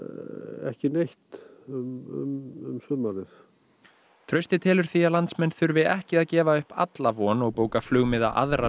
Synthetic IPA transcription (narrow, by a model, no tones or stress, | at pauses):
ɛ̰hcɪnejht̪ʏmʏ̰mʏ̰msʏmaɾɪθ | t̪ʰɾœɥst̪ɪt̪ʰɪːlʏɾ̥θialant̪smɛnθʏɾvɪðɛhcɪaðcɛːvaʏhpa̰t̪lavɔːnɔɣpoːwkaflʏɣmɪða̰ʔa̰ðɾa